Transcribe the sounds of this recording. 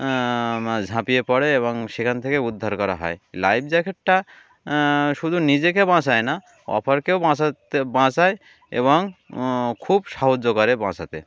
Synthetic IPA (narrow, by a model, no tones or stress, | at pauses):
d͡ʒʱãpijepɔɽeːβɔŋʃekʰant̪ʰekeud̪ʱːaɾkɔɾa̰ɦɔ̰elajb̚ʰd͡ʒɛkʰeʈ̚ʈa | ʃud̪ʱunid͡ʑekebãsajna | ɔ̰pʰɔɾkewbãsabãsaj | ḛbɔŋ | kʰubʃɔɦod͡ʒːokɔɾebãsat̪ḛ